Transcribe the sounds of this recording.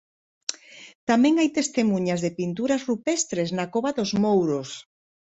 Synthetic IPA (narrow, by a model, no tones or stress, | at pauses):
t̪amɛ̃ŋajt̪est̪emuɲazðepint̪uɾazrupɛst̪ɾeznakoβaðozmowɾos